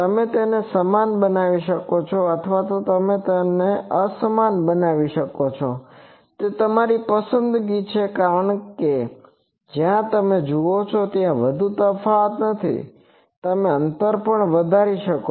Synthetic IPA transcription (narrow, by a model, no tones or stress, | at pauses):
t̪əmet̪enesəmanbənaʋiʃəkot͡ʃʰɔət̪ʰʋat̪ot̪əmet̪eneəsəmanbənaʋiʃəkot͡ʃʰo | t̪et̪əmaɾipəsənd̪ɡit͡ʃʰekaɾəɳke | d͡ʒjãt̪əmed͡ʒuot͡ʃʰot̪jãʋəd̪ʱut̪əfaət̪nət̪ʰḭ | t̪əmeənt̪əɾpəɳʋəd̪ʱaɾiʃəko